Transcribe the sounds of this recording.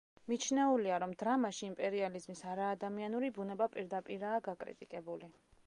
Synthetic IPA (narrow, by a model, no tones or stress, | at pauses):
mit͡ʃʰnɛuliaɾɔmd̪ɾamaʃiːmpʼɛɾializmisaɾaːd̪amianuɾibunɛbapʼiɾd̪apʼiɾaːɡakʼɾḭt̪ʼikʼɛbuli